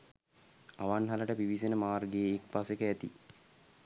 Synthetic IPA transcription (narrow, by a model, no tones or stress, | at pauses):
aʋanɦaləʈəpiʋisenəmaːrɡejeːkpasekəæt̪ḭ